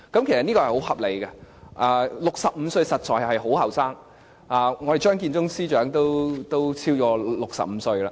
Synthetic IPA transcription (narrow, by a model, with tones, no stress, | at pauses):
kɐ˨˥mkʰe˨˩jsɐ˨t̚ni˥kɔː˧ɛ˨˩jho˨˥whɐ˨p̚le˨˩jkɐ˧ʔaː˧lʊ˨k̚sɐ˨p̚m̩˨˧sɵ˧ɥsɐ˨t̚t͡ʃɔː˨˩jɐ˨˩hɐ˨jɦo˨˥whɐ˨˩wsaː˥ŋ | aː˨˩ŋɔː˨˧de˨jt͡ʃœː˥ŋk̬iː˧nt͡sʊ˥ŋsiː˥t͡ʃœː˨˥ŋt̪o˥wt̪o˥wt͡sʰiː˥wkɔː˧lʊ˨k̚sɐ̰˨p̚m̩ː˨˧˦sɵ˧ɥla̰ː˧